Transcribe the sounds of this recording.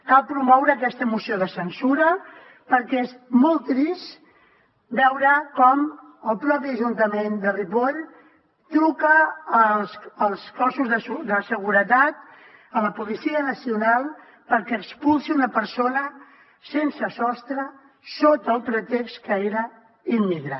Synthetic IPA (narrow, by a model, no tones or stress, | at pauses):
kalˠpɾumɔwɾəːkɛst̪əmusioðəsənsuɾə | pəɾkɛezmɔlˠt̪ɾis | bɛwɾəkɔm | əlˠpɾɔpiəʒunt̪əmend̪əripoʎ | t̪ɾukəːlˠsəlˠskɔsuzðəd̪əsəɣuɾət̪at̪ | ələpulisiənəsiunalˠ | pəɾkɛːkspulˠsiunəpəɾsonə | sensəsɔst̪ɾə | sot̪əlˠpɾət̪ekskəeɾə | immiɣɾa